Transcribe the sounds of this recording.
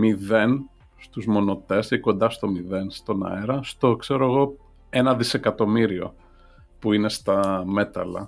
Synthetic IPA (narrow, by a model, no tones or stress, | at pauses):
miðe̞n | st̪uzmo̞no̞t̪e̞siko̞nd̪ɐst̪o̞miðe̞nst̪o̞nɐ̰eɾɐst̪o̞kse̞ɾoeɣo̞ | e̞nɐðise̞kɐt̪o̞miɾio̞̰ | puine̞st̪ɐme̞t̪ɐlɐ̰